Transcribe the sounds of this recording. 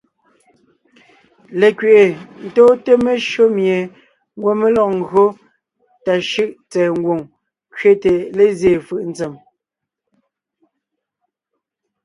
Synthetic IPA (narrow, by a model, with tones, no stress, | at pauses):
le˨kɥe˨ʔe˨n̩˨tɔː˦te˦me˦ʃo˦mje˨ | ŋ̩˦ɡwo˦me˦lɔ˨ʔŋ̩˦ɡɰo˦ | ta˨ʃɯ˦ʔt͡sɛː˨ŋ̩˦ɡwo˨ŋ | kɥe˦te˨le˦zje˨fɯ˦˨ʔn̩˦t͡se˨m